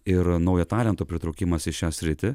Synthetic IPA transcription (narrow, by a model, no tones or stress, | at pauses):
ɪɾnɐʊjɛt̪ɑːlʲɛnt̪oːpʲɾʲɪt̪ɾɐʊkʲɪmɐsɪʃʃʲæːsʲɾʲɪt̪ʲɪ